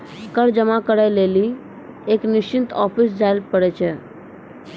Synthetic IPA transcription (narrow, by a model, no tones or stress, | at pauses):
kəɽd͡ʒəmakəɽajleːli | eːknɪʃt͡ʃɪnt̪ɔːpʰis̬d͡ʒaɪlpəɽet͡ʃʰe